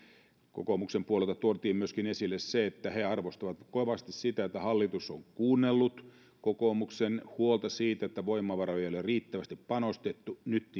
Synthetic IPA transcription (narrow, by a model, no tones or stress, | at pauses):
ko̰komuksempuolelt̪ɑt̪uot̪iːmmyøskinesilːesseet̪ːæheɑrʋost̪ɑʋɑt̪koʋɑst̪issit̪æet̪ːæhɑlːit̪usoŋkuːnːelːut̪ | kokomuksenhuolt̪ɑsiːt̪æet̪ːæʋoimːɑʋɑrojejɑoleriːt̪ːæʋæst̪ippɑnost̪et̪ːunyt̪ː